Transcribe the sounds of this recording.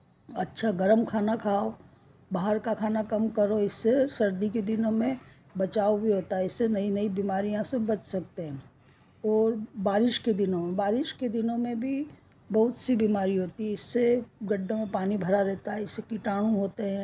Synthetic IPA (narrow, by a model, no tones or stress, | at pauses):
ɐtːʃʰaɡɐɾəmkʰaːnakʰaːo | baːɦəɾkakʰaːnakɐmkɐɾoɪsːesɐɾd̪iked̪ɪnõmẽ | bɐt͡ʃaːobʱiɦoːt̪aɦɛɪsːenɐinɐibiːmaːɾijãsẽbɐt͡ʃsɐkt̪eɦɛ̃ː | ɔːɾbaːɾɪʃked̪ɪnõmẽbaːɾɪʃked̪ɪnõmẽbʱi | bɐɦʊt̪sibiːmaːɾiɦoːt̪iɦɛɪsːeɡɐɖʱːõmẽpaːnibʱɐɾaɾɛɦt̪aɦɛɪsːekiʈaːɽ̃ũɦoːt̪eɦɛ̃ː